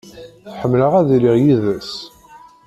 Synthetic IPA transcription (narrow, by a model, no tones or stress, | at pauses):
θħəmːləʁæðliʁjiðæs